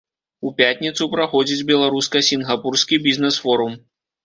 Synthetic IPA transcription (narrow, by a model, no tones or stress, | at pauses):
upʲat̪ʲnʲit̪supɾaxɔd͡zʲid͡zʲbʲɛlˠaɾuskɐsʲinɣapurskʲibʲiznɛsfɔɾum